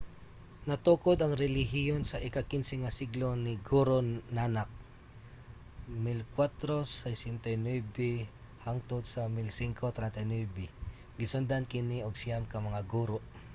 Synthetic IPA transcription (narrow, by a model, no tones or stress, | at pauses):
nɐt̪uːkod̪ɐŋɾɛlɪɦɪjonsɐʔɪkakɪnsɛŋasɪɡlonɪɡuɾonanak̚ | mɪlkwat̪ɾosajsɪnt̪ɐjnwɛbɛ | haŋt̪ʊd̪sɐmɪlsiŋkʰot̪ɾɛnt̪ajnwɛbɛ | ɡɪsʊnd̪ankɪnioɡsɪjamkɐmɐŋaɡuɾoʔ